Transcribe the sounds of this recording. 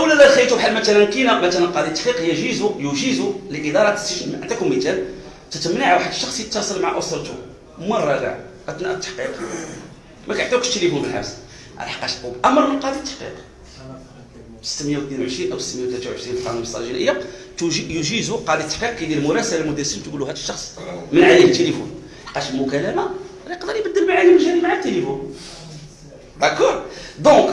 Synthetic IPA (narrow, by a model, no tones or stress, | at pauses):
ʔwlæd̪ælxæjt̪ubħalmæt̪ælænkinamæt̪ælænqɑd̪it̪ːaħqiqjæʒizujuʒizuləʔəd̪ɑɾˤɑt̪æ̥səʃʕənd̪ækumit̪æl | t̪æt̪əmniʕwaħəd̪əʃːɑxsˤjət̪ːɑsˤəlmʕaʔosɾt̪ṵ | mɑrˤːɑɡa̰ʕʔət̪næʔət̪ːḁħqiq | mækħt̪ːæwkt̪ːlibumənħæ̰fs | ʕa̰lħə̥qːɑʃubʔæmːəɾˤməlqɑd̪it̪ːə̥ħqḭq | sə̥t̪məjawt̪ninʕəʃɾinʔæwsə̥t̪ːmjæwt̪læt̪wʕəʃɾinlqɑnuməsˤɑ̰ʒinʔəjːa | juʒizuqɑd̪it̪ːaħqiqkililmʊɾˤɑsəlælmʊd̪æsəmt̪ɡuluhæd̪əʃːɑxsˤmənʕajinət̪ːelifṵn | ħqːɑʃlmʊkælæma | ɾɑjəqd̪əɾˤjbəd̪ːəlmaʕajiməlʒæɾimaʕat̪ːelifun | d̪ækɔɾˤd̪õk